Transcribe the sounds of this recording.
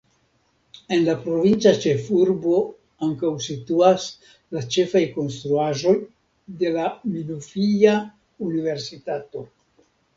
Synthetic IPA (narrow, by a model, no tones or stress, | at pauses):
e̞nlapɾo̞vint͡sat͡ʃe̞fuɾbo̞ | aŋkawsituas | lat͡ʃe̞fajko̞nst̪ɾuaʒo̞j | de̞lamilufija | unive̞ɾsitato̞